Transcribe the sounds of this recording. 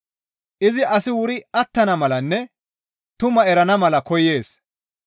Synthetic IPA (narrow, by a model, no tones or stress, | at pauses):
ʔɪzɪʔɐsɪwʊɾɪɐt̪ːɐnɐmɐlɐnːɛ | t̪ʊmɐɛɾɐnɐmɐlɐkɔjːe̞ːs